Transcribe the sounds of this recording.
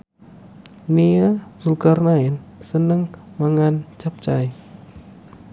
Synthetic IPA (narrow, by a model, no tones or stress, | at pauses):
niasulkarnainsənəŋmaŋant͡ʃap̚t͡ʃaj